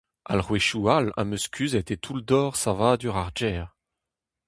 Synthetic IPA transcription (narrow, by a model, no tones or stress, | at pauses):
a̰lʁweʃualã̰məskʲʰyzɛt̪et̪ʰuld̪ɔːʁsavad̪yʁaʁd͡ʒɛːʁ